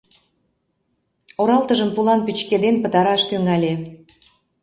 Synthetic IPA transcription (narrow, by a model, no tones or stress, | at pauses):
oɾɑlt̪əʒəmpulɑnpyt͡ɕked̪enpət̪ɑɾɑʃt̪yŋælʲe